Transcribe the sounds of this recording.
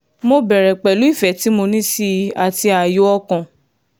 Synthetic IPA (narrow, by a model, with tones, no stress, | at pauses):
mo˧bɛ˨ɾɛ˨k͡pɛ˨lu˨˦i˦˨fɛ˨˦ti˨˦mo˧nĩ˦si˧a˨ti˧a˨jo˨˦ɔ˦kã˨